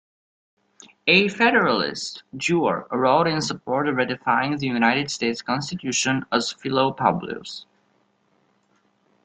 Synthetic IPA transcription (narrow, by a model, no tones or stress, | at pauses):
efɛɾə˞əlˠɪ̰std͡ʒuə̰ɹɹoʊɾɪ̃nsəpʰɔɹɾɹɛɾɪfaɪɪ̃ŋðɨjunaɪɾɨdsteɪtskʰɔ̃nstɨtʰjʉʃə̃nəz̥fɪloʊpʰʌ̰blṵs